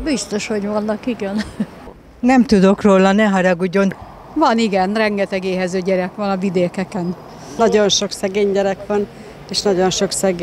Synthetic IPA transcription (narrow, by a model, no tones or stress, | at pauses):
bist̪o̞ʃho̞ɟʋɒnːɒkiɡɛn | nɛmt̪ud̪o̞kroːlɒnɛɦɒɾɒɡuɟon | vɒniɡɛnrɛŋɡɛt̪ɛɡeːɦɛzøːɟɛɾɛkʋɒnɒvid̪eːkɛkɛn | nɒɟo̞nʃoksɛɡeːɲɟɛɾɛkʋɒn | eːʃnɒɟo̞nʃo̞ksɛɡ